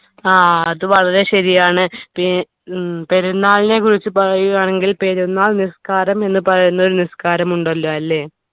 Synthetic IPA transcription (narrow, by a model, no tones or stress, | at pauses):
aːɐðɨʋɐɭɐɾe̞ɕɐɾijaːɳɨpi | pe̞ɾunːaːɭine̞kurit͡ɕːɨpɐrɐjuɣaːɳe̞ŋɡilpe̞ɾunːaːɭniskaːɾɐme̞nːɨpɐrɐjunːɐo̞ɾuniskaːɾɐmuɳɖɐlːoɐlːe̞ː